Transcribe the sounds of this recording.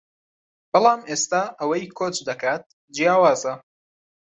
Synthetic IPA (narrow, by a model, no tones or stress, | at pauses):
b̥ɨlˠaːmʔeːst̪aːʔɐwɐjkʰoːt͡ʃd̪ɐkʰaːt̪̚ | d͡ʒijaːwaːzɐ